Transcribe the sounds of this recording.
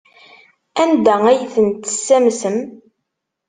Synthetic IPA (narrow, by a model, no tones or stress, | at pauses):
ænd̪ææjθənt̪ə̥sːæmsəm